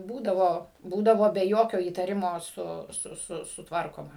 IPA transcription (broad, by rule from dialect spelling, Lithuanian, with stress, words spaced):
ˈbuːdɐʋoː ˈbuːdɐʋoː bʲɛ ˈjoːkʲoː iːtɐˈrʲɪmoː ˈsʊ ˈsʊ ˈsʊ sʊtˈʋɐrkoːmɐ